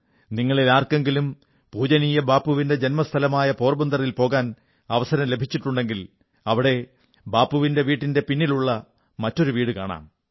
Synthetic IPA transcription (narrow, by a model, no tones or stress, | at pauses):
niŋːɐɭilaːrke̞ŋɡilum | puːd͡ʑɐnijɐbaːpːuʋinde̞d͡ʑe̞nmɐst̪ʰɐlɐmaːjɐpo̞ːrbund̪ɐrɐjilpo̞ːɣaːn | ɐʋɐsɐɾɐmle̞bʱit͡ɕːiʈːuɳɖe̞ŋɡil | ɐʋiɽe̞ | baːpːuʋinde̞ʋiːʈːinde̞pinːiluɭːɐ | mɐtːo̞ɾuʋiːɽɨkaːɳa̰ːm